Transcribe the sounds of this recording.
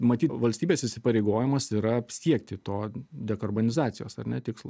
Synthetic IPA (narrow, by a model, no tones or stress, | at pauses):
mɐt̪ʲiːʋɐlʲsʲt̪ʲiːbʲeːsɪsʲɪpɐɾʲeɪɡoːjɪmɐsiːɾɐpsʲiɛkt̪ʲɪt̪oːd̪ʲɛkɐrboːnʲɪzɑːt̪sʲɪjoːsɐ̰ɾnʲɛt̪ʲɪkslˠ